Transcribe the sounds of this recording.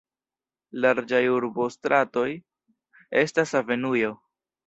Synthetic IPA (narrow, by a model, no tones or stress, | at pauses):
laɾd͡ʒajuɾbo̞stɾʔato̞j | e̞stasave̞nujo̞